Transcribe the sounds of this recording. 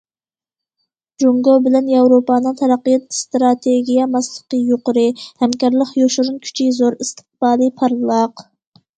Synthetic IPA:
d͡ʒoŋɡobɪlɛnjɑwɾopɑːnɨŋt̪ʰɛɾɑqːijɑt̪st̪ɾɑt̪ʰeɡʲijɛmɑslˠəqəjoqʊɾɨhɛmkʲɑɾlˠəqjoʃuɾunkʲʰy̥t͡ʃʰizoɾist̪ʰə̥q̚b̥ɑːlˠɨpʰɑɾlˠɑq

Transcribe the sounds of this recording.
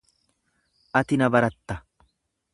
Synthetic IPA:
ʔɐt̪ɪnɐbɐɾɐt̪ːɐ

